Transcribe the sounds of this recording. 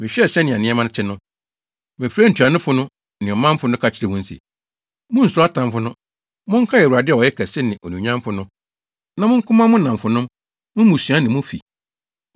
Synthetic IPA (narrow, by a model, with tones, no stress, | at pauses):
mɪ̃˨ɕᶣɛ˦˨sɛ˦nɪ̃˨a˨nɪ̃˦ɛ˦mã˦ñ˦t͡ɕʰɪ˦nʊ̃˦ | mɪ̃˨fɾa˦n̩˨tʰu˨a˨nʊ̃˦fʊ˨˦nʊ̃˦ | nɪ̃˨ɔ˨mã˦m˦fʊ˦nʊ̃˦kʰa˨t͡ɕʰɪ˨ɾɛ˨mʊ̃˦n̩˦sḭ˨ | mʊ̃˦n̩˨sʊ˨˦a˦tʰã˨mfʊ˦nʊ̃˦ | mʊ̃˦ŋ̩˦kʰa˦jɛ˨wu˨ɾa˨dɪ˦˨ɔ˨jɛ˦kʰɛ˨sɪ˦nɪ̃˨ʔɔ˨nũ˨ɲã˦m˦fʊ˨nʊ̃˦ | nã˨mʊ̃˦ŋ̩˦kʰʊ̃˦mã˦mʊ̃˦nã˨mfʊ˨nʊ̃˦m | mʊ̃˦mũ˨su˨ã˦nɪ̃˨mʊ̃˦fḭ˨